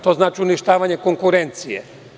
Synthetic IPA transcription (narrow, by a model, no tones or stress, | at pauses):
t̪o̞znaːt͡ʃiuniʃt̪aːʋaɲe̞koŋkuɾe̞nt̪sijḛ